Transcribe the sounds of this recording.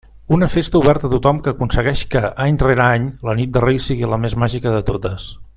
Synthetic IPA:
unəfest̪əuβɛɾt̪ət̪ut̪ɔmkəːkunsəɣɛʃkəʔaɲreɾəaɲlənit̪̚d̪ərejsiɣiləmezmaʒikəðət̪ot̪əs

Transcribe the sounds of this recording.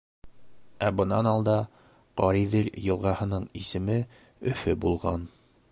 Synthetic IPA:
æbɤ̆nɑnɑlˠd̪ɑ | qɒɾiðɘljɤ̆lˠʁɑhɤ̆nɤɴisɘ̆mɘ | ɵ̆fɘbulˠʁɑn

